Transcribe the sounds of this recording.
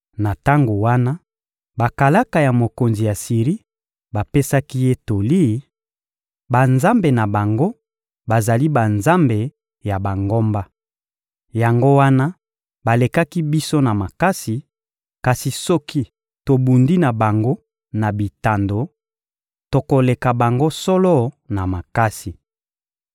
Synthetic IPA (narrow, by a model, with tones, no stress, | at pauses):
na˨ta˦ŋɡo˨wa˦na˦ | ba˨ka˨la˦ka˨ja˨mo˨ko˨nzi˨ja˨si˨ʁi˦ | ba˨pe˦sa˦ki˦je˦to˨li˦˨˦ | ba˨nza˦mbe˨na˨ba˨ŋɡo˦ | ba˨za˨li˦ba˨nza˦mbe˨ | ja˨ba˨ŋɡo˦mba˦ | ja˨ŋɡo˦wa˦na˦ | ba˨le˨ka˦ki˦bi˦so˦na˨ma˨ka˦si˨ | ka˨si˨sɔ˦ki˦ | to˨bu˨ndi˦na˨ba˨ŋɡo˦ | na˨bi˨ta˨ndo˨ | to˨ko˨le˨ka˨ba˨ŋɡo˦sɔ˦lɔ˦˨ | na˨ma˨ka˦si˨